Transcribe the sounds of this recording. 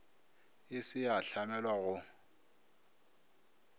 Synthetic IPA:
ɪsɪjaɬamɛlwaɣʊ

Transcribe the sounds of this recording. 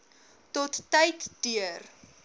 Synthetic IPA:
tɔtːəjtd̥yər

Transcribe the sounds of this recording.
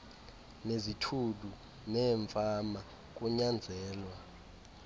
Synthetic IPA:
nezitʰuɗu | nɛːɱfama | k̬ʼuɲand͡zʱɛːlwa

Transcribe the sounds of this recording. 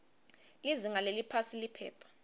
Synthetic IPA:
liziŋalelipʰasilipʰɛ̰ːpʰḁ

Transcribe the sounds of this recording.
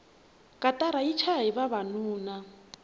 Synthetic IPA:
kʼatʼaɾait͡ʃʰaɦiβaβanuːna

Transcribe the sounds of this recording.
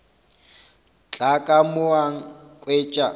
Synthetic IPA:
t͡ɬʼakʼamʊaŋ̩kʼweːt͡ʃʼa

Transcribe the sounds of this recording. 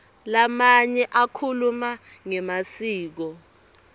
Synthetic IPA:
lamaɲɛʔakʰulumaŋɛmasiːk̬ɔ

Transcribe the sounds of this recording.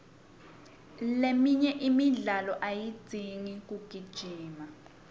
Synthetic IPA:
lemiɲɛʔimiɮalɔʔaji̥d͡z̥ʱiŋik̬ʼuɡ̥ʱid̥ʒ̥ʱiːma

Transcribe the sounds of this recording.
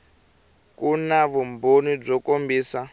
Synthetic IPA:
kunaβumbonib͡ʐɔkombiːsa

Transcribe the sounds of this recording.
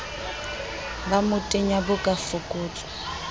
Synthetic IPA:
bamʊtʼeɲabʊkʼafʊkʼʊːt͡ɬʼɔ̥

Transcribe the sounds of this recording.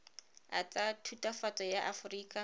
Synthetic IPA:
at͡sʼatʰutʼafat͡sʼɔjaʔafʊriːkʼa

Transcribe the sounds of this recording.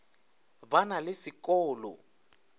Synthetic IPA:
banalɪsikʼɔːlɔ̰

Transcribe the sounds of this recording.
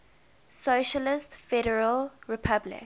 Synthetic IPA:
soʃəlɪstfɛɾəɹəlɹɪpʰablɪ̰k

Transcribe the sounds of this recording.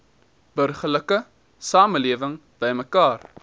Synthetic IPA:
b̥ərχələkə | sɑːməliəvəŋ | b̥əjməkɑːr

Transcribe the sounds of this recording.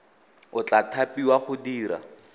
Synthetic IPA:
ʊt͡ɬatʰapʼiwaχʊdiːɾa̰

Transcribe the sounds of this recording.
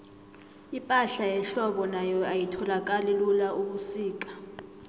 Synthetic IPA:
ipʼaɬajɛɬɔɓɔnajɔajitʰɔlak̬ʼalilulaʔuɓusiːk̬ʼḁ

